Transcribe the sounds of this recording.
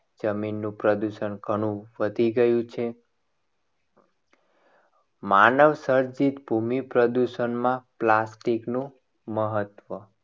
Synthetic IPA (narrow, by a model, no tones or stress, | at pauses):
d͡ʒəminːũpɾəd̪uʃənɡʱəɽ̃ũʋəd̪ʱiɡəjũt͡ʃʰe | manəʋsəɾd͡ʒit̪bʱumipɾəd̪uʃənmãplasʈiknũ | məɦət̪ʋə